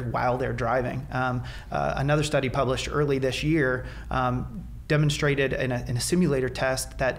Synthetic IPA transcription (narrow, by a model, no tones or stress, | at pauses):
wa̰ɪlˠðə˞dɹaɪvɪ̰̃ŋ | ə̰nʌðə˞stʌɾipʰʌbləʃtɜ̰˞lˠiðɪsjɪɹ | d̥ɛmn̩stɹ̥eɪɾɨɾɪ̃nɨɨ̃nɨsɪ̃mjɨleɪɾə˞tʰɛst̪ðɨt̚